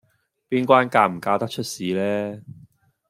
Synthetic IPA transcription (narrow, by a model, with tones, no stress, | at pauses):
piː˥nkʷwaː˥nkaː˧m̩˨˩kaː˧t̪ɐ˥k̚t͡ʃʰɵ˥t̚siː˨˥lɛː˥